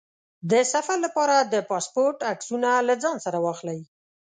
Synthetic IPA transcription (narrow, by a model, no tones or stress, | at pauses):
d̪əsafaɾlapɑɾad̪əpɑspoɾʈaksunalad͡zɑnsaɾawɑxlaj